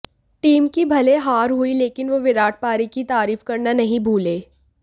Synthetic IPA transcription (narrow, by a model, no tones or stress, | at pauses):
ʈiːmkibʱɐleɦaːɾɦuileːkɪnʋoʋɪɾaːʈ̚ʰpaːɾikit̪aːɾiːfkɐɾnanɐɦĩbʱuːleː